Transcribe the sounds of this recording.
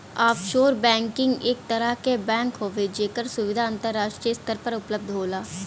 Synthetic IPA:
aːpʃoːɾbɛ̃ːŋkɪ̃ŋɡeːk̚t̪əɾəɦkebɛ̃ːŋkɦoːʋed͡ʒeːkəɾsʊʋɪd̪ʱaːə̃nt̪əɾːaːʃʈɾijəst̪əɾpəɾʊpləb̚d̪ʱɦoːlaː

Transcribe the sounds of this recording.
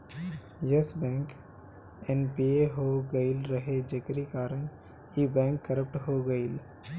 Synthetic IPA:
jəsbɛ̃ːŋk | enpieɦoɡəɪlɾəɦed͡ʒekɾikaːɾəɳ | ibɛ̃ːŋkːəɾəp̚ʈɦoɡəɪl

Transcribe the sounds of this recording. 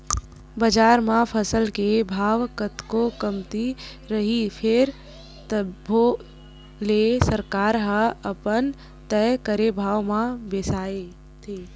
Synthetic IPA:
bəd͡ʒaːɾmãpʰəsəlkebʱaːʋkət̪kokəmt̪i | ɾəɦipʰɪɾ | t̪əbʱo | lesəɾkaːɾɦəəpən | t̪ɛkəɾebʱaːʋmãbeːsaːe | t̪ʰe

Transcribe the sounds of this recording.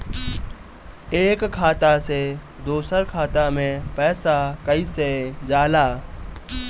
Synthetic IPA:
eːkkʰːaːt̪ase | d̪oːsəɾkʰaːt̪amẽpɛːsakəised͡ʒaːlaː

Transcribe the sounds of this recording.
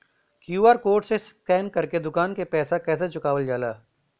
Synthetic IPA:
kjuːaːɾkoːɾʈseskɛːnkɐɾked̪ʊkaːnkepɛːsakɛːs̬at͡ʃʊkaːʋəld͡ʒaːlaː

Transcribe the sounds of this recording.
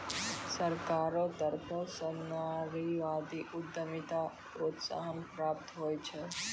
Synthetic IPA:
səɾkaɾot̪əɾt̪ʰosənaɾiʋad̪iʔʊd̪ːəmit̪a | pɾot̪sa̰ɦənpɾap̚t̪ɦojt͡ʃʰe

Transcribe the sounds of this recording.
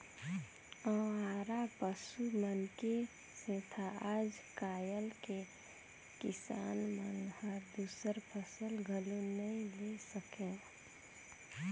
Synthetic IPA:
ə̃aːɾapəsumənke | sẽt̪ʰaaːd͡ʒkaːjəlke | kɪsaːnmənhəɾd̪uːsəɾpʰəsəlɡʱəlunəĩlesəkẽ

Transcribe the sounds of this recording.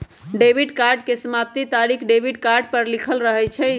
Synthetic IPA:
ɖebʱiɖkaɾɖkesəmap̚t̪it̪aɾikʰɖebʱiɖkaɾɖ̚pəɾlikʰəlɾəɦɛt͡ʃʰɛ

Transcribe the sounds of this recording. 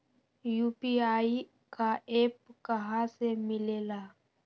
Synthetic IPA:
juːpiaːi | kaʔeːp̚kəɦãsemɪleːlaː

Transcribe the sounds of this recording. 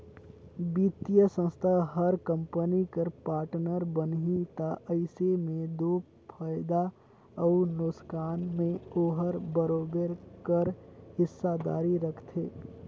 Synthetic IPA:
biːt̪ijəsə̃nst̪ʰaɦəɾkə̃mpənikəɾpaːɾʈnəɾbənɦit̪aʔəɪsemẽd̪oː | pʰaːjd̪a | əʊnʊskaːnmẽoːɦəɾbəɾoːbəɾkəɾhɪsːad̪a̰ːɾiɾəkʰt̪ʰeː

